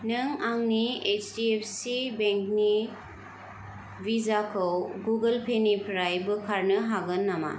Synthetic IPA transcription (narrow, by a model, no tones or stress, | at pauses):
nɯŋaŋniet͡ʃdiepʰsibeŋkni | bizakʰɯwɡuɡɐlpʰenipʰɾajbɯkʰaɾnɯɦaɡɯnːama̰